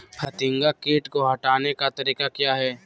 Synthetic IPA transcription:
pʰɐt̪ɪŋɡakeːʈkoɦɐʈaːnekat̪ɐɾiːkakjaːɦɛː

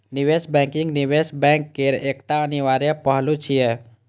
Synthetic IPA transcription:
nibesbɛ̃ŋkiŋnibesbɛ̃ŋkːeɾekt̪aəniʋaɾjepəɦlut͡ʃʰijɛ

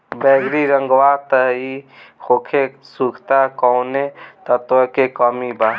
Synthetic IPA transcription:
bɛɡɾiɾəŋɡwat̪əikʰokʰe | sukʰt̪akɔwnet̪ət̪əkekəmiba

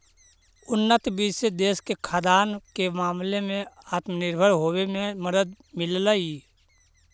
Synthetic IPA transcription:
ʊnːət̪biːsed̪eːskekʰaːd̪aːnkemaːmlemẽaːt̪mənɪɾbʱəɾɦoːwemẽməd̪əd̪̚ | mɪllaiː

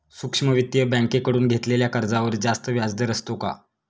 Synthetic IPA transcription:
sukʂməʋit̪jəbə̃ŋkekəɽuːnɡʱet̪leljakəɾd͡zaʋəɾd͡zast̪əʋjad͡zd̪əɾəst̪oka̰

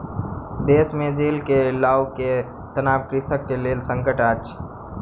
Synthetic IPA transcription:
d̪eːsmẽd͡ʒeːlkelaːwke | t̪ənaːʋkɾɪsəkːeleːlsə̃ŋkəʈat͡ʃʰ

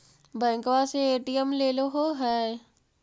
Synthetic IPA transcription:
bɛ̃ːŋkʋaseeːʈijəmleːloɦoɦɛː

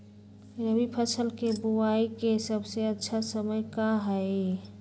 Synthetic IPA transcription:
jəbʱipʰəsəlkebuwaikesəbseətːʃʰasəməjkaɦɛe

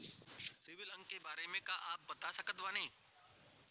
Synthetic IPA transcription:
sɪʋɪlɐ̃ŋɡkːebaːɾemẽkaʔaːp̚bɐt̪asɐkət̪ʋanẽĩː

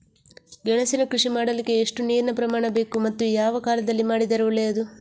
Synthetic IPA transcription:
ɡɛɳɐsinɐkɾuʂimaːɽɐlikːeːʂʈuneːɾnɐpɾɐmaːɳɐbe̞ːkumɐt̪ːujaːʋɐkaːlɐd̪ɐlːimaːɽid̪ɐɾɐʋɐleɐd̪u

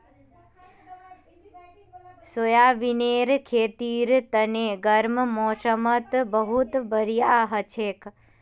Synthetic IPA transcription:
sojaʋineɾkʰet̪iɾt̪əneɡəɾmmɔ̃ʃəmət̪bəɦut̪bəɾijaɦət͡ʃʰek

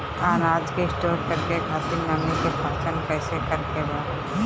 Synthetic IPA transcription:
aːnaːd͡ʒkeɪsʈoːɾkəɾkekʰaːt̪iɾnaːmikepaːt͡ʃənpɛːsekɐɾkebaː

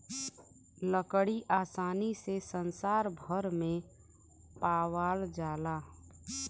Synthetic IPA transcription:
ləkɽiʔaːsaːnisesənsaːɾbʱəɾmẽ | paːwaːld͡ʒaːlaː

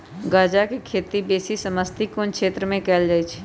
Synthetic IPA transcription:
ɡaːd͡ʒakikʰeːt̪ibeːsisəməst̪ʰikonkʃeːt̪ɾəmẽkɛːld͡ʒaːit͡ʃʰː

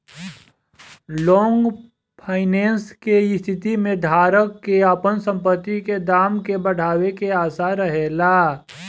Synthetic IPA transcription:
lɔːŋɡ | pʰaːɪneːnskeɪst̪ʰɪt̪imẽd̪ʱaːɾəkːeaːpənsə̃mpət̪ːiked̪aːmkebɐɽ̤ʱaːwekeaːsaɾəɦelaː

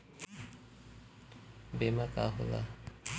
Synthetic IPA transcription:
bemaka̰ɦola̰

